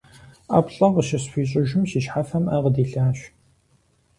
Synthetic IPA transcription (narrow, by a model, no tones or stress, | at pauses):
a̰ːpɬʼɐqəʃɐsfʷiːɕʼʊʒɪmɕiʃħafɐmɐʁədiːɬaːɕ